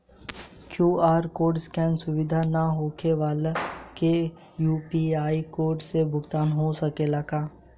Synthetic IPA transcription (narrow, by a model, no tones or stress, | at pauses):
kjuːaːɾkoːɾɖskɛ̃ːnsʊʋɪd̪ʱanaɦoːkʰeʋaːleke | juːpiaːikoːɾɖsebʱʊɡt̪aːnɦosɐkelɐɡaː